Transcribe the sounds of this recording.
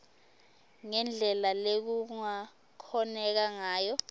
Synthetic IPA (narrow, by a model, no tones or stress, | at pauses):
ŋɛnd͡ɮʱɛlalek̬uŋa | kʰɔnɛk̬aŋaːjɔ